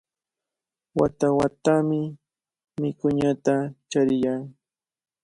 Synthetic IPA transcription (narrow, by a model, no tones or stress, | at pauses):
wat̪awat̪amɪ | mɪkʊɲat̪at͡ʃaɾɪjaŋ